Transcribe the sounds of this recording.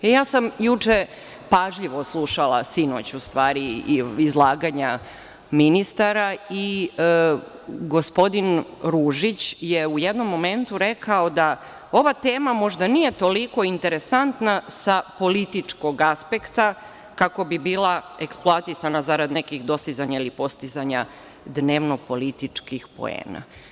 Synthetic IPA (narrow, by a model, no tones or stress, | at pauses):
ejaːsamjut͡ʂe | paʒʎiʋo̞slˠuʃalˠasino̞̰t͡ɕust̪ʋaːɾiizlˠaːɡaɲa | minist̪aɾai | ɡo̞spo̞d̪inɾuːʒit͡ɕjeujed̪no̞mːo̞me̞nt̪uɾe̞kao̞d̪a | o̞ʋat̪eːmamo̞ʒd̪anije̞t̪o̞liko̞int̪e̞ɾe̞sant̪nasapo̞lit̪it͡ʂko̞ɡaspe̞kt̪a | kako̞bibiːlˠae̞ksploat̪isanazaɾad̪nekixd̪o̞st̪izaɲailipo̞st̪izaɲa | d̪ne̞ʋno̞po̞lit̪it͡ʂkixpo̞̰ḛːna̰